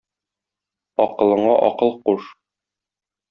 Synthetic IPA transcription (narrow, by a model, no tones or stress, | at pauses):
ɒqɤ̆lˠɤ̆ɴɑʔɒ̰qɤlˠquʃ